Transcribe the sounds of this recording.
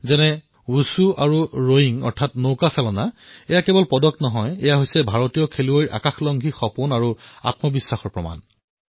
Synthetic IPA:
zɛnɛ | usuaɹuɹojiŋɔ̰ɹtʰatnowkasalɔnaɛjakɛbɔlpɔdɔk̚tnɔɦɔjɛjaɦojsɛbʱaɹotijɔkʰeluojʔa̰kaxlɔŋɡʱixɔpunaɹua̰tmɔbisːaxɔɹpɹɔma̰n

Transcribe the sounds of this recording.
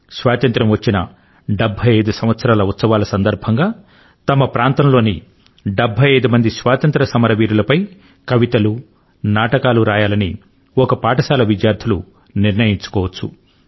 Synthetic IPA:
sʋaːt̪ɐnt̪ɾɐmʋɐt͡ʃːinɐ | ɖebʱːɐjɐjd̪usɐmʋɐt̪sɐɾaːlɐut̪sɐʋaːlɐsɐnd̪ɐɾbʱɐŋɡaː | t̪ɐmɐpɾaːnt̪ɐmlo̞ːni | ɖebʱɐjɐjd̪umɐnd̪isʋaːt̪ɐnt̪ɾɐsɐmɐɾɐʋiːɾulɐpɐj | kɐʋit̪ɐlu | naːʈɐkaːluɾaːjaːlɐni | ɔkɐpaːʈɐsaːlɐʋid̪jaːɾd̪ʰʱilu | niɾnɐjiɲt͡ʃu̥kɔːʋɐt͡ʃːṵ

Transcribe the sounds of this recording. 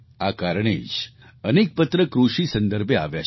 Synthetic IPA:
akaɾɳ̃ḛd͡ʒ | ənek̚pət̪ɾəkɾuʃisə̃nd̪əɾbʱeaʋja

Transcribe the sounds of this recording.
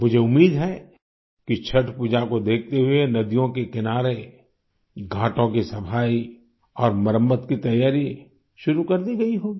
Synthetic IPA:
mʊd͡ʒʱeʊmːiːd̪ɦɛ | kit͡ʃʰɐʈpud͡ʒakod̪eːkʰt̪eɦʊenɐd̪ijõkekɪnaːɾe | ɡʱãːʈõkisɐpʰaːi | ɔːɾməɾəmːət̪kit̪ɐjaːɾi | ʃʊɾukɐɾd̪iɡɐiɦoːɡiː

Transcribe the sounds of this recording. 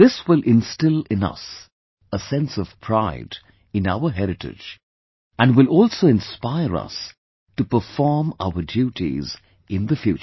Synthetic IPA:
ðɪswɪlˠʔɪ̃nstɪlˠɪ̃nʌ̰s | əsɛ̃nsʌv̥pʰɹ̥aɪd | ɨ̃naʊə˞ɦɛɾɨʈɪ̰d͡ʒ | æ̃nwɪlˠɔːlˠsoɪ̃nspaɪəɹʌ̰s | tupə˞fɔɹma̰ʊədjuɾḭz | ʔɪ̃nðəfjʉ̰ːt͡ʃ

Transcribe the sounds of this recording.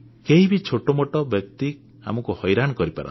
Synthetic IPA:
keɦibit͡ʃʰoʈɔmoʈɔbjɔk̚t̪i | a̰mɔkuhɔjɾanɔkɔɾipa̰ɾɔ̰

